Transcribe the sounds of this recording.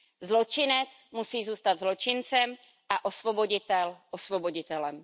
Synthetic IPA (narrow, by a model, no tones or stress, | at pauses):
zlot͡ʃɪnɛt͡smusiːzuːst̪ad̪zlo̞t͡ʃɪnt͡sɛm | ʔaʔosvoboɟɪt̪ɛlʔosvoboɟɪt̪ɛlɛm